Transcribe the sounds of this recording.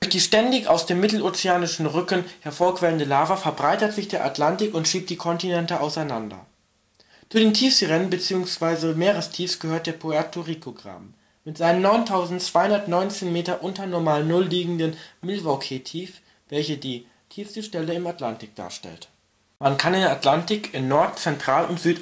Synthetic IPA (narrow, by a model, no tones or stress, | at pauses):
d̥ʊçd̥iːʃtɛndɪçaʊsd̥eːmːɪtl̩oːt͡seaːnɪʃn̩ʁʏkənhɛɐfoːɐkv̥ɛləndəlaːvɐfɛɐbʁaɪtətz̥ɪçd̥eːɐʔa̰tlantɪkʊntʃiːp̚td̥iːkʰɔntinɛntəʔaʊsaɪnandɐ̰ | t͡suːdeːntʰiːfstəʁɛnənbət͡siːʊŋsv̥aɪzəmeːʁəstʰiːfsɡ̥əhøːɐt̚d̥eːɐpʰoɛɐtʰoʁikʰoɡʁa̰ːm | mɪtz̥aɪnəmnɔʏntʰaʊzn̩tt͡sv̥aɪhʊndɐtnɔʏnt͡seːnmeːtɐʔʊntɐnɔɐmaːlnʊlːiːɡŋ̩dənmɪlvakʰetʰiːf | vɛlçədiː | tʰiːfsəʃtɛləɪmatlantɪk̚d̥a̰ːɐʃtɛ̰lt | mankʰanɪndɐatlantɪkɪnːɔɐtt͡sɛntʁ̥aːlʊntz̥yːt